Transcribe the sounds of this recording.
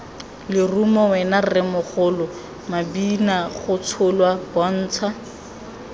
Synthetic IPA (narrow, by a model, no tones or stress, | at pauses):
lɪrumɔwɛnarɪmʊχʊlʊ | mabinaχʊt͡sʰʊlwabɔn̩ːt͡sʰa